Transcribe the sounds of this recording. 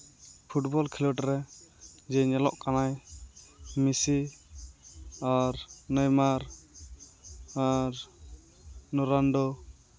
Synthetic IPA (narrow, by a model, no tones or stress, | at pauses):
pʰuʈbɔlkʰilɔʈɾɛd͡ʒɛɲɛlɔ̰ʔkanaj | misi | aɾnəjmaɾ | aɾ | nɔɾanɖɔ